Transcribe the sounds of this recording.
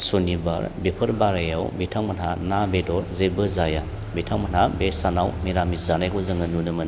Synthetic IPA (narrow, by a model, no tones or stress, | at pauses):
suniba̰ɾbipʰɯɾbaɾajawbitʰaŋmɐnhanabedɔɾzebɯzaja | bitʰaŋmɐnabesanawmiɾamizanajkʰɔzɯŋɯnunɯmɯn